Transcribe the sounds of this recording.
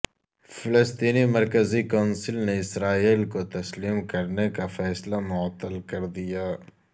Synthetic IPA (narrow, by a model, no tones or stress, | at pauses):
fɪlɪst̪iːnimɐɾkəzikaːnsɪlneɪsɾaːiːlkot̪ɐsliːmkɐɾnekafɛːslamʊət̪ːəlkɐɾd̪ijaː